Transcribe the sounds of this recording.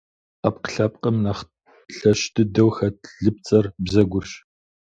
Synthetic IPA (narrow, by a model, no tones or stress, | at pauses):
ap̚qə̥ɬɐp̚ʼqʼəmnɐχ | ɬɐʃdʰɨdɐwxɐtʰɮɨp̚t͡sʼɐrbzɐɡʷʊrɕ